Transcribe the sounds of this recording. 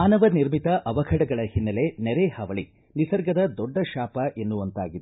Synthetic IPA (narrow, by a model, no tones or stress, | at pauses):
aːnɐʋɐniɾmit̪ɐʔɐʋɐɡʰʱɐɽɐɡɐɭɐhinːɐle̞nɛɾehɐʋɐɭi | nisɐɾɡɐd̪ɐd̪ɔɖːɐʃaːpɐʔe̞nːuʋɐnt̪a̰ːɡid̪e